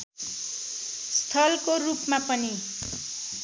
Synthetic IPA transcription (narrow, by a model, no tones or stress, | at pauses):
st̪ʰʌlkorupmapʌni